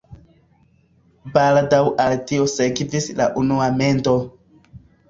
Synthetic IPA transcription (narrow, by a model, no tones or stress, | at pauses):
baldawʔaltio̞seɡvisla̰ʔunuame̞ndo̞